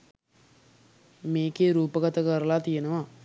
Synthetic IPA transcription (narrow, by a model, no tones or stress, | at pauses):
meːkeːɾuːpɐɡɐt̪ɐɡɐɾɐlaːt̪ijɐnɐʋaː